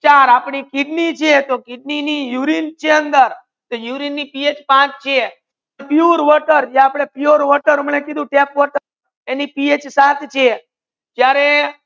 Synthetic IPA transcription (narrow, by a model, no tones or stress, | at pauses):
t͡ʃaɾapɽikiɖnit͡ʃʰet̪okɪɖninijuɾint͡ʃʰeənd̪əɾ | t̪ojuɾinːipiet͡ʃpãt͡ʃt͡ʃʰe | pioɾʋəɾʈəɾd͡ʒaapɽ̃epioɾʋəɾʈəɾməɳekid̪ũʈepʋəɾʈəɾ | enipiet͡ʃsãt̪ʰt͡ʃʰe | k̪jaɾe